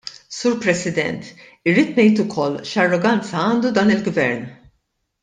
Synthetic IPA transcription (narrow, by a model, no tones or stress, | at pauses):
suːɾpɾɛsɪd̪ɛ̰nt̪ | ɪrːiːt̪nɛjt̪ʊkʰɔlːʃɐrːɔɡɐnt͡sɐɐːnd̪ud̪ɐːnɪlɡvɛɾn